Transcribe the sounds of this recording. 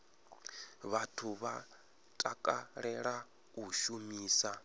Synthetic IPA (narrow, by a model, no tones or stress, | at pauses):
βatʰuβa | tʼakʼaɺɛɺa | uʃumiːsa